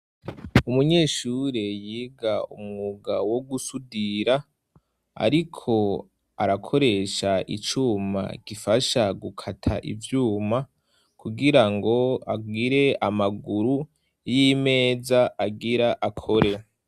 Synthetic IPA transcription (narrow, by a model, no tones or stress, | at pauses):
umuɲe̞ːʃuːɾe̞jiɡaṵmŋuɡawo̞ɡusudiɾa | a̰ɾikʰo̞ | a̰ɾakʰo̞ɾe̞ʃaʔḭt͡ʃuma̰ɡ̥ifaʃaɡukʰatʰa̰ʔḭvjuːma | kuɡiɾaŋɡo̞aɡiɾe̞amaɡuɾu | jime̞ːzaʔaɡiɾaʔakʰo̞ɾe̞